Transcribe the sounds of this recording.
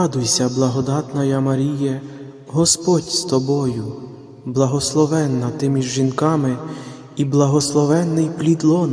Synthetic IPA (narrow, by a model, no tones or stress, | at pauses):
ɑd̪ʊjsʲɐblˠɐɦɔd̪ɑt̪nɐjɐmɐɾʲijɛ | ɦɔspɔtʲst̪ɔbɔjʊ | blˠɐɦɔslˠɔʋɛnːɐt̪ɪmʲiʒʒinkɑmɪ | iblˠɐɦɔslˠɔʋɛnːɪjplʲid̪lˠɔn